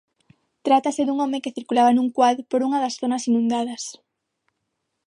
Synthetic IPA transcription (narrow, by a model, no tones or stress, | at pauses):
t̪ɾat̪ɐseðuŋɔmekeθiɾkulaβanuŋkwaðɾopoɾuŋɐðɐsθonɐsinũnd̪að̞ɐs